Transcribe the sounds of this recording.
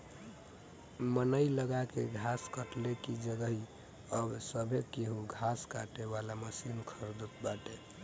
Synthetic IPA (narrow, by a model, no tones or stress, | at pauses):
mənəiləɡakeɡʱaskəʈlekid͡ʒəɡəɦi | əbsəbʱekeɦuɡʱaskaʈeβalaməsinkʰəɾd̪ət̪baʈe